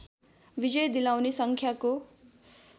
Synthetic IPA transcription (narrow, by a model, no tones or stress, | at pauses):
bid͡zʌjd̪ilawnesʌŋkʰjako